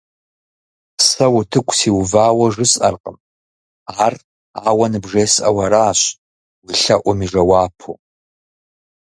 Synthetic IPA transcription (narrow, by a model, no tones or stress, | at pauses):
sɐwʊtʰɨkʷʰʼsiwvaːwɐʐɨsʼɐ̰rqʼəm | aːr | aːwɐnɨbʐeːsʔɐ̰wɐɾaːɕ | wiɬɐʔʷɔmiʐɐwaːpʰo